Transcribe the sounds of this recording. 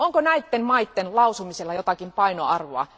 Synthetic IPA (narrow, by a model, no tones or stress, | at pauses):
oŋkonæit̪ːemmɑit̪ːenlɑusumiselːɑjot̪ɑkimpɑinoɑ̰rʋoɑ̰